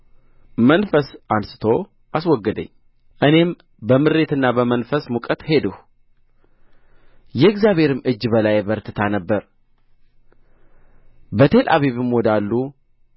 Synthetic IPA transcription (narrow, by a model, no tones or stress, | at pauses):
mənfəsansɨ̥t̪ʰo̞ | ʔaswɔɡːəd̪ə̰ɲː | ʔɨne̞m | bəmɨɾe̞t̪ɨnːabəmənfəsmukʼət̪he̞d̪əh | jɛɨɡzjaβhe̞ɾɨmɨd͡ʒːbəlajbəɾt̪ʰɨt̪ʰanəbːəɾ | bət̪ʰe̞lʔa̰βeβɨmwɔd̪alːu